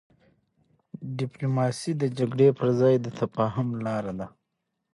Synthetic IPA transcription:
ɖiplumɑsid̪əd͡ʒaɡɽepəɾzɑːjd̪ət̪ʰapɑɦamlɑːɾad̪a

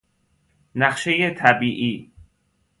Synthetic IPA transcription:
næχʃejet̪ʰæbiːʔiː

